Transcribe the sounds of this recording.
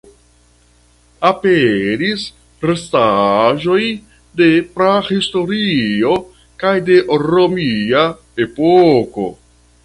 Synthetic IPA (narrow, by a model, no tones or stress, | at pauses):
apeɾis | ɾestaʒo̞j | de̞pɾahisto̞ɾio̞ | kajde̞ɾo̞mia | e̞poko̞̰